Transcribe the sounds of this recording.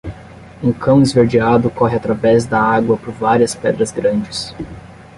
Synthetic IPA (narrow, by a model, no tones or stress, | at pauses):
ũkʰɐ̃w̃izveɾd͡ʒiad̪ʊkɔɦɪat̪ɾavɛzd̪ɐaɡwɐpʊɾvaɾiɐspɛd̪ɾɐzɡɾɐ̃d͡ʒɪs